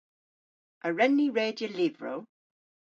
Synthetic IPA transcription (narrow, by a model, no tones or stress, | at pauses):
ʔəɹɛnːiɹeːdiəlɪvɹo̰ʊ